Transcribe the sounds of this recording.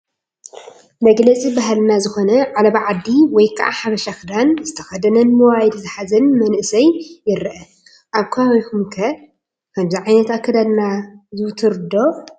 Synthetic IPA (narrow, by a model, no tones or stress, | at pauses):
mɐɡlɐt͡sʼibaɦalnazɨxo̞nɐʕalɐβʕad̪ːiwɔjkʰa̰ʔaħaβɐʃakɨd̪anzɨt̪ʰɐ̥xɐd̪ɐnɐnmɨwajd̪zɨħazɐnmɐnʔɨsɐjːɪɾʔɐ | ʔaβkʰawjkʰumkʰɐ | kʰɐmziʕajnɐt̪akʰːɐd̪ad̪nazɨwt̪ʰɨɾd̪o